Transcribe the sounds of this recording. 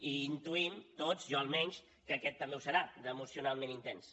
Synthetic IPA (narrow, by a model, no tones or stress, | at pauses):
iːnt̪uimt̪ozʒɔəlˠmɛɲʲs | kəkɛt̪ːəmbeusəɾad̪əmusiunalˠmẽnint̪ɛns